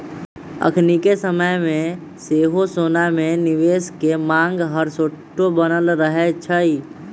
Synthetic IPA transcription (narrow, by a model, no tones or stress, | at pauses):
ə̰kʰnikesəməjmẽ | seːɦosoːnamẽnɪʋeːskemãːŋɡɦəɾsoʈːobənəlɾəɦet͡ʃʰəi